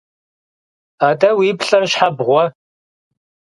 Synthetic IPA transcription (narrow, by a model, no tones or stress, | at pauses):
aːdɐwiːpɬʼɐrʃħabʁʷɔ